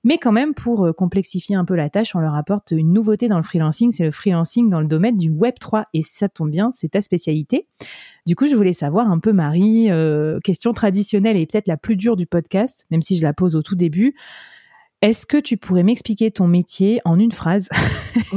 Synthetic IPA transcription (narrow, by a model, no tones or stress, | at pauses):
mɛkɑ̃mɛmpʰuʁøkɔ̃plɛksifjeɛ̃pølat̪aʃɔ̃lœʁapɔʁt̪ynːuvot̪ed̪ɑ̃ləfχilɑ̃siŋsɛləfχilɑ̃siŋd̪ɑ̃ləd̪ɔmɛnd̪ywɛbt̪χwaesat̪ɔ̃bjɛ̃sɛt̪aspesjalit̪ed̪ykuʒəvulɛsavwaʁɛ̃pømaʁiøkʲɛst̪jɔ̃t̪χad̪isjɔnɛlepø̥t̪ɛt̪χlaplyd̪yʁd̪ypɔd̪kʲast̪mɛmsiʒəlapozot̪ud̪eby | ɛskət̪ypʰuʁɛmɛksplikʲet̪ɔ̃met̪jeɑ̃nynfχaz